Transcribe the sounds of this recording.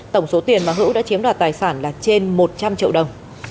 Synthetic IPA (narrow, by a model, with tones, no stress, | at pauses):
t̪ə˧˩wŋ͡mso˨˦t̪i˨˩ənvaː˨˩ɦɨ̰˧˥wɗa̰ː˧˥t͡ɕi˨˦əmɗwaː˨˩t̚t̪aː˨˩jsaː˧˩nlaː˨˩t͡ɕe˧nmo˨˩t̚t͡ɕa˧mt͡ɕḭ˧˨əwɗə˨˩wŋ͡m